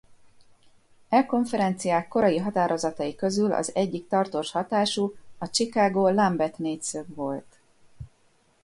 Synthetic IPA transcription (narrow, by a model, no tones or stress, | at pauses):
ɛlko̞ɱfɛɾɛnt̪sijaːkːo̞ɾɒjiɦɒt̪aːɾo̞zɒt̪ɒjikø̞zylɒ̰zɛɟːikt̪ɒrt̪oːʃhɒt̪aːʃuɒt͡ʃikaːɡoːlambɛt̪neːcsøɡʋo̞lt̪